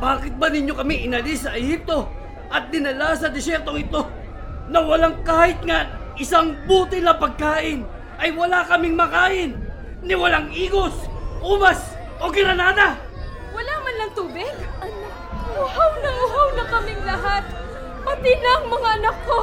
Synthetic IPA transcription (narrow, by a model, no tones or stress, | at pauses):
baːkɪt̪̚bɐnɪɲjokɐmɪŋʔɪnɐlɪsːɐʔɛhip̚t̪o̞ | ʔɐt̪̚d̪ɪnɐlas̬ɐd̪ɪsjɛɾt̪o̞ŋɪt̪o̞ | nɐwɐlaŋkaːhɪt̪̚ŋaʔɪsaŋbuːt̪ɪnɐpɐɡ̚kaːʔɪn | ʔɐjwɐlakɐmɪŋmɐkaːʔɪnː | ɪwɐlaŋʔiːɡo̞sʔuːbas | ʔo̞ɡɪɾɐnaːd̪a | wɐlaːmanlɐŋt̪uːbɪɡʔɐna | ʊhawnɐŋʊɦawnɐkɐmɪŋlɐhat̪̚ | mɐt̪ɪnɐɐŋmɐŋaʔɐnɐkːo